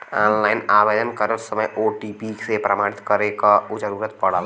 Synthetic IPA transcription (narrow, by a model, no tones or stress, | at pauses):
ɔːnlaːɪnaːʋeːd̪ənkəɾəɾsɐməjoːʈipisepɾɐmaːɽ̃ɪt̪kɐɾekaud͡ʒɐɾuːɾət̪pɐɽ̤aːl